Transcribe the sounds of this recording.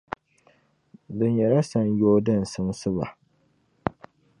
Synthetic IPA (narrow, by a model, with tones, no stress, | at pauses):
dɨ˨ɲjɛ˨la˦sa˦n˦joː˦dɨ˦˨n̩˨sɨ˦ŋ˦sɨ˦βa̰˨